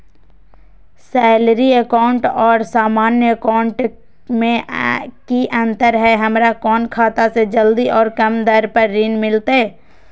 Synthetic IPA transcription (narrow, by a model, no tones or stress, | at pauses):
sɛːlɾiəkaʊɳʈɔːɾsaːmaːnjəəkaʊɳʈ | mẽkiʔə̃nt̪əɾɦɛɦəmɾakɔːnkʰaːt̪ased͡ʒəld̪iʔɔːɾkəmd̪əɾpəɾːiːnmɪlt̪e